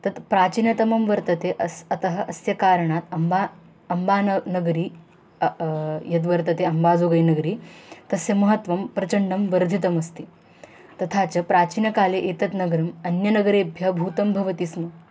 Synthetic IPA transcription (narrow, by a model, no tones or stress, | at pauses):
t̪ɐt̪pɾaːt͡ɕiːnɐt̪ɐmɐmʋɐɾt̪ɐt̪eʔɐsɐt̪ɐɦɐ̆ʔɐsjɐkaːɾɳ̃aːt̪ɐmba | ɐmbaːnnɐɡɾiː | jɐt̪ʋɐɾt̪ɐt̪eɐmbaːd͡zoːɡɐjnɐɡɾiːt̪ɐsjɐmɐɦɐt̪ʋɐmpɾɐt͡ɕɐɳɖɐmʋɐɾd̪ʱit̪ɐmɐst̪iː | t̪ɐt̪ʰat͡ɕɐpɾaːt͡ɕiːnɐkaːleʔeːt̪ɐt̪nɐɡɐɾɐmɐnjɐnɐɡɐɾeːbʱjɐbʱuːt̪ɐmbʱɐʋɐt̪iːsnɐ